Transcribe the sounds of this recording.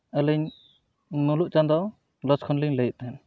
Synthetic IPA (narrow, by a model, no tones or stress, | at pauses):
əlɛɲ | nuluʔt͡ʃand̪ɔ | lɔskʰɔnliɲləjʔ̚t̪ɦɛn